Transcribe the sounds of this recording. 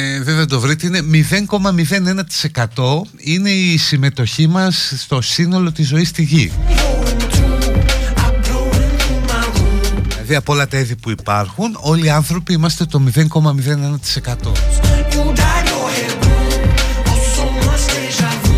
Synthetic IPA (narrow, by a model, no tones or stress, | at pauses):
eveðeɐd̪o̞vɾit̪eine̞miðe̞ŋko̞mɐmiðe̞ne̞nɐt̪i̥se̞kɐt̪o̞ | ine̞isime̞t̪o̞çimɐsst̪o̞sino̞lo̞t̪izo̞ist̪iʝioɾut̪u | apɾowɾũkumauilɐðiɐpoo̞lɐt̪ɐiðipuipɐɾxuno̞liɐnθɾo̞piimɐst̪e̞t̪o̞miðe̞ŋko̞mɐmiðe̞ne̞nɐt̪i̥se̞kɐt̪o̞̰ud̪aɾohemõɐfomɐst̪eeʒav